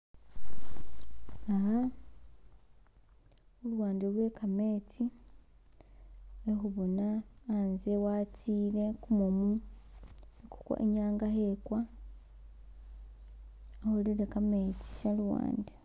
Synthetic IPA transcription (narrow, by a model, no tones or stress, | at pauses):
aɦa | olwaːndelwe̞kame̞ːt͡si | exuβonaːnzewat͡siːɾe̞kumumu | eku̥kwa̰ʔeɲaːŋɡahekwa | oholiɾekame̞t͡si̥ʃalwa̰ːnde